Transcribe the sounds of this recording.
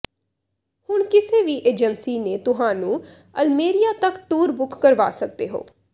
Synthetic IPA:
hʊɳkɪseːʋiːʔeːd͡ʒənsiːneːt̪ʊɦãːnũː | əlmeːɾijaːt̪əkʈuːɾbʊkːəɾʋa̰ːsək̚d̪eːɦo̰ː

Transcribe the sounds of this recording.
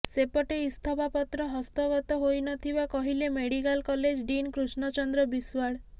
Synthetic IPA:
sepɔʈeist̪ʰɔbapɔt̪ɾɔɦɔst̪ɔɡɔt̪ɔɦojnɔt̪ʰibakɔɦilemeɽikalkɔled͡ʒɖinkɾusnɔt͡ʃɔnd̪ɾɔbiswaɽ

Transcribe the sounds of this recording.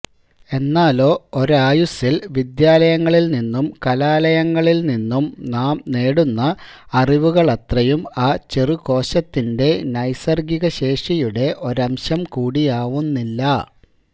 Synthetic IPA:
e̞nːaːlo̞ːoɾaːjusilʋid̪jaːlɐjɐŋːɐɭilninːumkɐlaːlɐjɐŋːɐɭilninːumnaːmne̞ːɽunːɐ | ɐriʋuɣɐɭɐt̪rɐjumaːt͡ɕeriko̞ːɕɐt̪ːinde̞nɐjsɐrɡiɣɐɕe̞ːʂijuɽe̞ʔo̞ɾɐmɕɐmkuːɽijaːʋunːilːɐ

